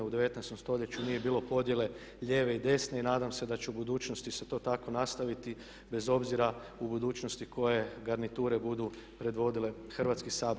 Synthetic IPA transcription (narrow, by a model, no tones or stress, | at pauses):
ud̪e̞ʋe̞t̪nɛjst̪o̞mst̪o̞ʎe̞t͡ɕunije̞biːlˠo̞po̞d̪je̞le̞ | ʎeːʋe̞id̪e̞sne̞inaːd̪amse̞d̪at͡ɕɛubud̪uːt͡ʃnost̪iset̪o̞ːt̪ako̞nast̪aʋit̪i | be̞zo̞bziɾa | ubud̪uːt͡ʃnost̪iko̞je̞ɡaɾnit̪uːɾe̞bud̪u | pɾe̞d̪ʋo̞d̪ile̞ | xr̩ʋat̪skisaːb